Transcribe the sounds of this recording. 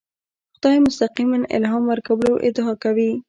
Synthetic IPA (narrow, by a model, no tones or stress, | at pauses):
xd̪ɑemʊst̪aqimanɪ̰lɦɑmwəɾkawəloʔɪ̰d̪ɑkawi